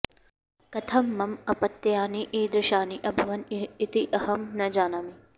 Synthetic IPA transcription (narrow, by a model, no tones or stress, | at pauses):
kɐt̪ʰɐmːɐmɐpɐt̪jaːniʔiːd̪ɾɪʃaːniʔɐbʱɐʋɐniːt̪iʔɐhɐmnɐd͡ʒaːnɐmi